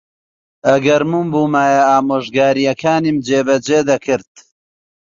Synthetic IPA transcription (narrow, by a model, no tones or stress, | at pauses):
ɐɡɐɾmumbuːmaːjɐaːmoːʒɡaːɾijɐkʰaːnimd͡ʒeːbɐd͡ʒeːd̪ɐkʰɨɾt̪̚